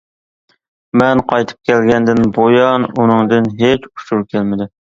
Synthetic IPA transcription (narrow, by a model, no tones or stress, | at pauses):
mɛnqʰɑjt̪ʰɨ̥p̚kʲʰɛlɡʲɛnd̪ɪnbojɑnunɨŋd̪ɨnɦet͡ʃuʃuɾkʲʰælmɪd̪ɪ